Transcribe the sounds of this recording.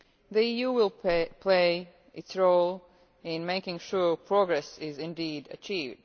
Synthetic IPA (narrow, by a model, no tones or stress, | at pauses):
ðiijuwɪlˠpʰl̥eɪ | ʔɪtsɹoʊlˠ | ɪ̃nmeɪkɪ̃ŋʃuɹpʰɹ̥ɔɡɹɛsɪzɪ̃ndiːdɨ̰t͡ʃivd̥̚